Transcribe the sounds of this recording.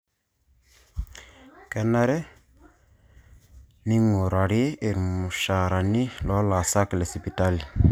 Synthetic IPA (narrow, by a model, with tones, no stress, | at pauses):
kɛ˨na˦ɾɛ˦ | ni˦ŋo˨ɾa˨ɾi˦e˦e˨ɾmu˨ʃa˨ɾa˨ni˦lɔ˨˦la˨sa˦klɛ˨si˨pi˨ta˦li˨